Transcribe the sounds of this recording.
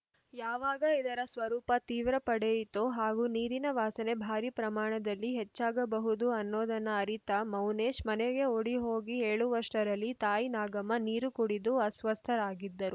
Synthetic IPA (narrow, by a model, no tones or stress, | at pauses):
jaːʋaːɡɐid̪ɐɾɐsʋɐɾuːpɐt̪iːʋɾɐpɐɽejit̪oɦaːɡuːniːɾinɐʋaːsɐne̞bʱaːɾipɾɐmaːɳɐd̪ɐlːiɦet͡ʃːaːɡɐbɐɦud̪uɐnːoːd̪ɐnːɐːɾit̪ɐmɐwneːʃmɐneɡe̞oɽiɦo̞ːɡieːɭuʋɐɾʂʈɐɾɐlːit̪aːjinaːɡɐmɐniːɾukuɽid̪uɐsʋɐst̪ʰɐɾaːɡid̪ːɐɾu